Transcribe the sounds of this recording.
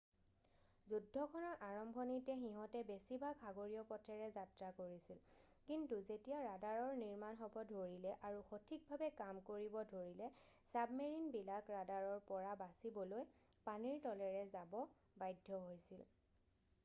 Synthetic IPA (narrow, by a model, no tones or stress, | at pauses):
zudʱːɔkʰɔnɔɹʔaɹɔmbʱɔnitɛxiɦɔtɛbesibʱaɡxaɡoɹijɔpɔtʰɛɹɛzatɹakoɹisil | kintuzetijaɹadaɹɔɹniɹmanxɔbɔdʱoɹilɛʔaɹuxotʰik̚bʱabɛkamkoɹibɔdʱoɹilɛsabmeɹinbilakɹadaɹɔɹpɔɹabasibɔloj | paniɹtɔlɛɹɛzabɔ | bajdʱːɔɦojsil